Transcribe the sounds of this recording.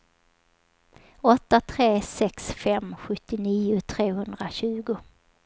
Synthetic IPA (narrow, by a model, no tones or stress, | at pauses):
ɔt̪ːat̪ʰɾeːsɛksfɛmɧɵt̪ːɪniːʊt̪ʰɾeːhɵnd̪ɾaɕʉ̟ːɡʊ